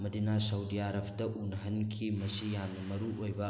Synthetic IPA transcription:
mɐdinasɐwdiaɾɐpʰdɐʔunɐɦɐnkʰimɐsijamnɐmɐɾuojbɐ

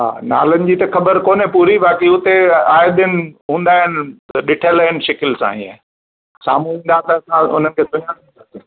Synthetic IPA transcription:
ɦa̰ːna̰ːlənɪ̆d͡ʑit̪ɐxɐbəɾkoːnepuːɾiʋaːkiʊt̪eaːjd̪ɪnɪ̆ɦũːnd̪aːɦɪnɪɗɪʈʰələɦɪnɪ̆ʃɐkɪlsã̰ːḭ̃a̰ː | sa̰ːm̤uɦĩːn̆d̪at̪ɐɐsãʊ̰n̤ənɪkʰeːsʊɲã | sasẽ

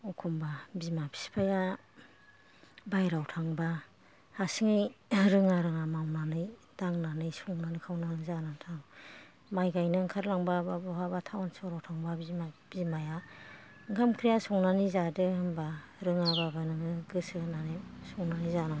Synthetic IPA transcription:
ukʰumbabimapʰi̥spʰaja | bajɾawtʰaŋba | hasiŋɯjɾɯŋaɾɯŋamawnanɯj | d̥aŋnanɯjsɔŋnanɯkʰawnaɯzanatʰaŋ | majɡajnɯŋkʰaɾlaŋbababɔɦabatʰawansɔwɾawtʰaŋbabimab̥imaja | ŋkʰamkʰɾijasɔŋnanizadɯhɯmba | ɾɯŋababanɯŋɯɡɯsɯnanɯjsɔŋnanizanaŋ

